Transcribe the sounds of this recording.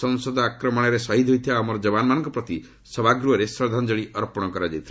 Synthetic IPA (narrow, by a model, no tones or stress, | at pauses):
ɔŋsɔd̪ɔakɾɔmɔɽ̃ɔɾesaɦid̪ʱɦojt̪ʰibaːmɔɾɔd͡ʒɔbanɔmanɔŋkɔpɾɔt̪i | sɔbʱaɡɾuɔɾesɾɔd̪ʱand͡ʒɔɭiʔɔɾɔpɔɽ̃ɔkɔɾad͡ʒajt̪ʰila